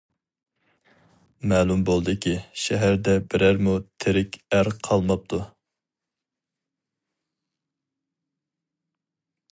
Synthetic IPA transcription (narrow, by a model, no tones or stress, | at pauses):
mɛːlˠumbolˠd̪ɨkʲiʃɛɦæɾd̪ɛbɪɾæɾmut̪ʰeɾɪkʲæɾqʰɑlˠmɑp̚t̪ʰu